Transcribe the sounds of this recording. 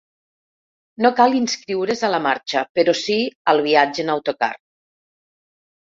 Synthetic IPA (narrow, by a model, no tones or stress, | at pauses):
nokalinskɾiwɾezalamaɾt͡ʃapeɾosiəlˠβ̞iad͡ʒenawt̪oka̰r